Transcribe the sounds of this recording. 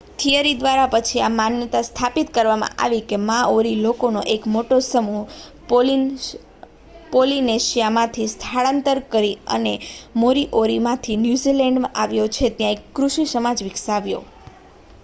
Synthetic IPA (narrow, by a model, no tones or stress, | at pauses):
t̪ʰijəɾid̪ʋaɾapət͡ʃʰiamanjət̪ast̪ʰapit̪kəɾʋamã̰ʔa̰ʋikemãoɾilokonoʔekmoʈosəmu | polineʃijamãt̪ʰist̪ʰaɭant̪əɾkəɾiə̰nemoɾiʔoɾimãt̪ʰinjuzilɛɳɖmãʔaʋjot͡ʃʰet̪jãekːɾuʃisəmad͡ʒʋiksaʋjo̰